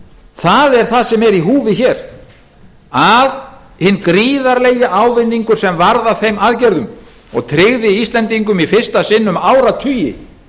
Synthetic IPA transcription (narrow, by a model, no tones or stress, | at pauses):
θaðɛɾ̥θaðsɛmɛɾiɦuːvɪçɛːɾ̥ | að | hɪnːkɾiːðaɾleːjɪʔaːwvɪnːiŋkʏɾ̥sɛmvaɾðaθejmaðcɛɾðʏm | ɔ̰ɣt̪ʰɾɪɣðɪist̪lɛnt̪iŋkʏmifɪr̥st̪asɪnːʏmaːwɾat̪ʰyjɪ̰